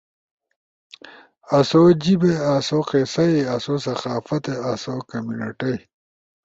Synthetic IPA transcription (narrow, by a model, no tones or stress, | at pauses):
ɐsoːd͡ʑibeasoqesɐiɐsoːs̬ɐxaːfɐt̪eɐsoːkɐmjunɐʈɐj